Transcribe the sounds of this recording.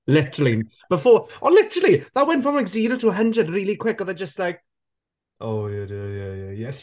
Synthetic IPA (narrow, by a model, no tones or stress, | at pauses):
lɪtəɹəl̩ˠin | b̥əfɔːənlɪtəɹəl̩ˠiðawɛ̃ntfɹɔ̃mlaɪkziɾotʰuəɦə̃ndrədɹiːlikʰw̥ɪkɔðəd͡ʒəstlaɪk̚ | ʔoʊjadəjajajɛs